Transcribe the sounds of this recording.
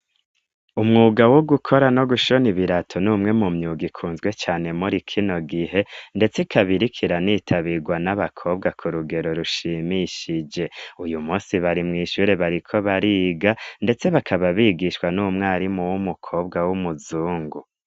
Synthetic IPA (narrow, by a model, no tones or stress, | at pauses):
umŋuːɡawoɡukʰo̞ɾano̞ɡuʃo̞niβiɾatʰo̞nuːmŋe̞mumɲuːɡikʰuːnzɡwe̞t͡ʃaːne̞muɾikʰino̞ɡiɦe̞nde̞t͡sikʰaβiɾikʰiɾaniːtʰaβiɡwanaβakʰo̞ːb̚ɡakʰuɾuɡe̞ɾo̞ɾuʃiːmiʃid͡ʒe̞ujumuːnsiβaɾimŋiːʃuːɾe̞βaɾikʰo̞βaɾiːɡande̞t͡se̞βakʰaβaβiːɡiʃwanuːmŋaːɾimuwumukʰo̞ːbɡawumuzuːŋɡu